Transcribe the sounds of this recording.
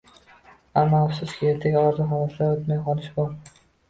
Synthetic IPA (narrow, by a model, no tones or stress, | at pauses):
amːɒafsʊskʲɪet̪ʰekʲɒɒɾzɪɦɒlat̪ʰlaɾot̪majqʰɒlˠɪʃbɒɾ